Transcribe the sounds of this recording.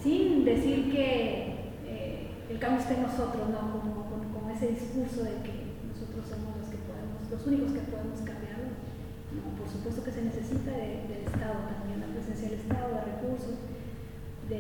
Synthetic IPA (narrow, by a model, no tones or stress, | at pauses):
sind̪e̞siɾke̞ | e | elkamost̪eno̞so̞t̪ɾo̞snokomokonko̞moe̞se̞ðiskuɾso̞ðe̞ke | no̞so̞t̪ɾosːo̞mozloske̞po̞ðemo̞slosuniko̞skepo̞ð̞emo̞skambjaɾlo | nopo̞ɾsupwe̞st̪o̞ke̞se̞ne̞se̞sit̪aðeðelest̪aðokatomjend̪apɾese̞nsjaðelest̪aðoðere̞kuɾsos | ðe